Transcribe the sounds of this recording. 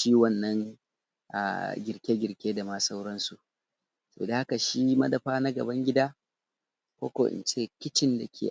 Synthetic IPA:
ʃiː˦wɐ˦˨nːɐ˦ŋ | ʔa̰˨ɡʲɪ˨ɾkʲeː˦ɡʲɪ˨ɾkʲeː˦da˨ma˦sa˦wɽɐ˦nsu˨ʔ | sɐ˦bo̰˨da˨ha˦ka˨ʃiː˦mɐ˦dɐ˨ɸaː˦na˦ɡɐ̰˨bɐ˦ŋɡʲɪ˦daː˦ | kʷo̰ː˦kʷo̰˨ʔɪ̰˨nt͡ʃeː˦˨kʲɪ˦t͡ʃɪ˦nda˨kʲʰḛ˨

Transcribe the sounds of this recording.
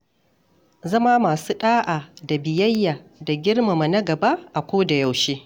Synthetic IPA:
zɐ˦maː˦maː˨suː˦ɗaː˦ʔaː˨da˨bɪ˨jɐ˦jːaː˨da˨ɡʲɪ˦rma˨mɐ˨nɐ˦ɡɐ˨ba˦ʔa˨kʷoː˦da˨ja˨wʃeː˦

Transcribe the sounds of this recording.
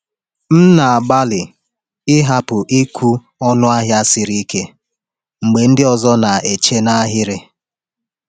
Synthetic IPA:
m̩˦na˨a˨ba˦lɪ˨ | ɪ˦ɦa˦pʊ˨ʔi˦kʷʰu˦ | ɔ˦nʊ˦a˦ɦja˦sɪ˨ɾi˦ke˦ | ŋ͡m̩˨ɡ͡be˨n̩˦dɪ˦ɔ˨zɔ˦na˨e˨t͡ʃe˦na˦ɦɪ˦ɾɪ˦

